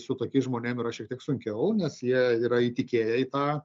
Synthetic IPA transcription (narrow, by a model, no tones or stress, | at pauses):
sʊt̪oːkʲiːʒmoːnʲeːmiːɾɐʃʲiɛk̚t̪ʲiɛksʊŋʲkʲɛʊnʲɛsjiɛiːɾɐiːt̪ʲɪkʲeːjɛiːt̪ɑː